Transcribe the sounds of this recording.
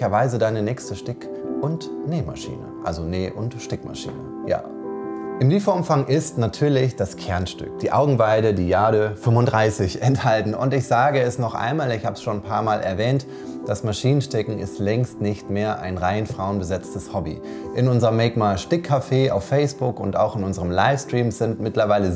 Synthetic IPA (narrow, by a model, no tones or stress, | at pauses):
çɐvaɪzədaɪnənɛːçstəʃtɪk | ʔʊntneːma̰ʃḭːnə̰ʔa̰lzoneːʔʊntʃtɪkma̰ʃḭːnə̰ | ja̰ː | ʔɪmliːfɐʔʊmfaŋʔɪstnatʰyːɐlɪçd̥askʰɛɐnʃtʏ̰k̚d̥iːʔa̰ʊɡŋ̩vaɪdədiːjaːɾəfʏmvʊndʁaɪsɪçɛnthaltn̩ʊ̰ntɪçz̥aːɡəɛsnɔχʔa̰ɪnmaːlɪçhaːbəsʃoːnpʰaːɐmaːlʔɛ̰ɐvɛːnt | d̥asmaʃiːnənʃtɛkŋ̩ɪ̰stlɛŋstnɪçtmeːɐʔa̰ɪnʁaɪnfʁ̥aʊənbəzɛt͡stəshɔbḭʔɪnʊnzəʁəmːɛːkmaʃtɪkʰːafeːa̰ʊfːɛɪsb̥ʊkʊnta̰ʊxɪnʊnzəʁəmlaɪfstʁ̥iːmz̥ɪntmɪtlɐvaɪlə